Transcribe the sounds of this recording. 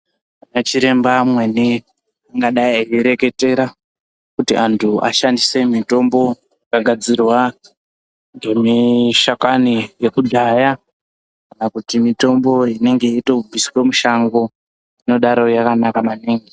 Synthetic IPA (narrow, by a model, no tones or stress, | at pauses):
anat͡ʃiɾe̞mbamwe̞ni | aŋɡaɗaiajiɾe̞ke̞te̞ɾa | kutiantʰuʔa̰ʃandise̞mito̞mbo̞ | akaɡʱad͡zirwa | ŋɡe̞miʃakanije̞kudʱaja | kkanakutimito̞mbo̞ine̞ŋɡe̞ito̞bisi̥womuʃaŋɡo̞ | ino̞ɗaɾojakanakamaniːŋɡi